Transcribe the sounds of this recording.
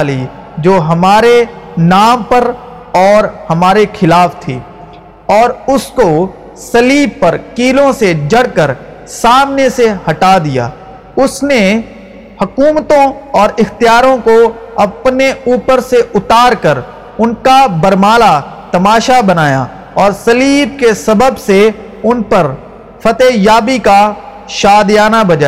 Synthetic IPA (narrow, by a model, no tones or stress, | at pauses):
li | d͡ʒoːɦɐmaːɾenaːmpɐɾ | ɔːɾhɐmaːɾekʰɪlaːft̪ʰḛː | ɔːɾʊsko | sɐliːb̚pɐɾkiːlõsed͡ʒɐɽkəɾ | saːmnesehɐʈad̪ija̰ː | ʊsne | hʊkuːmt̪õɔːɾɪxt̪ijaːɾõkoɐpneuːpəɾseʔʊt̪aːɾkəɾ | ʊnkabəɾmaːla | t̪ɐmaːʃabɐnaːja̰ | ɔːɾsɐliːb̚kesɐbəbse | ʊnpəɾ | fʰɐt̪eːjaːbika | ʃaːd̪jaːnabɐd͡ʒa